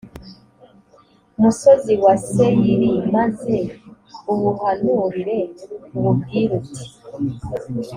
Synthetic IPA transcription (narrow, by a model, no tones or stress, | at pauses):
musoziwasejiɾimaze | uβuhanuɾiɾeuβub̚ɡiːɾuti̥